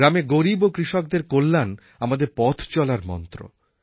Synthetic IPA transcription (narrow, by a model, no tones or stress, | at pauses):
ɾameɡoɾibokɾiʃɔk̚d̪eɾkolːan | amad̪eɾpɔt̪ʰt͡ɕɔlaɾmɔ̰nt̪ɾo̰